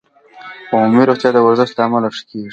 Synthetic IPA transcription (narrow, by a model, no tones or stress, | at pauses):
pamiɾoxt̪jɑd̪əwaɾzɪʃt̪d̪aamalaʂkeɡ